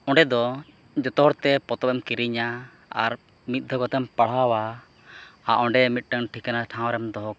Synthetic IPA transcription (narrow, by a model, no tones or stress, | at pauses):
ɔ̃ɳɖɛd̪ɔ | d͡ʒɔt̪ɔɔɾt̪ɛpɔt̪ɔbɛmkiɾiɲa | a̰ɾ | mit̪̚ˀd̪ʱɔkɔt̪ɛmpaɽ̤awa | aʔɔɳɖɛmit̪̚ˀʈəŋʈʰikanaʈʰãw̃ɾɛmd̪ɔɦɔk